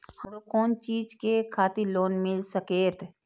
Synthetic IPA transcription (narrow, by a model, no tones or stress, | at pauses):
həmɾokɔːnt͡ʃiːd͡ʒkekʰaːt̪iloːnmɪlsəkeːɾt̪ʰ